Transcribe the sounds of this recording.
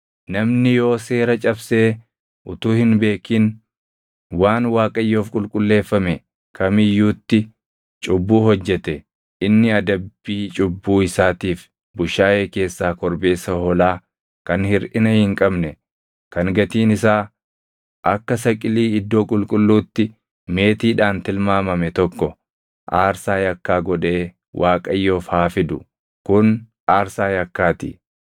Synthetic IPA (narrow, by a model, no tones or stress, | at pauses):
nɐmnɪjo̞ːse̞ːɾɐt͡ʃʼɐbse̞ː | ʔʊt̪uːhɪnbe̞ːkiːn | waːnwaːkʼɐjːo̞ːfkʼʊlkʼʊlːe̞ːfːɐmɛ | kʰɐmɪjːuːt̪ːɪ | t͡ʃʼʊbːuːɦɔd͡ʒːɛt̪ɛ | ɪnːɪɐd̪ɐbːiːt͡ʃʼʊbːuːɪsaːt̪iːf | bʊʃaːʔe̞ːke̞ːsːaːkɔɾbe̞ːsɐhɔlaː | kɐnhɪɾʔɪnɐhɪŋkʼɐbnɛ | kɐŋɡɐt̪iːnɪsaː | ʔɐkːɐsɐkʼɪliːɪd̪ːo̞ːkʼʊlkʼʊlːuːt̪ːɪ | me̞ːt̪iːᶑaːnt̪ɪlmaːmɐmɛt̪ɔkːɔ | ʔaːɾsaːjɐkːaːɡɔᶑe̞ː | wʔaːkʼɐjːoːfhaːfɪd̪ʊ | kʊn | ʔaːɾsaːjɐkːaːt̪ɪ̰